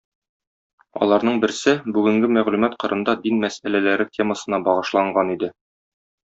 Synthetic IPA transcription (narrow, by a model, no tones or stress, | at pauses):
ɒ̰lˠɑɾnɤɴbɘ̆ɾsɘbʉɡɘ̆ŋɡɘmæʁlʉmæt̪qŏɾʔɤ̆nd̪ɑd̪inmæsælælæɾɘtʲʰe̞məsɤ̆nɑbɒʁɤ̆ʃlˠɑɴɢɑnid̪ɘ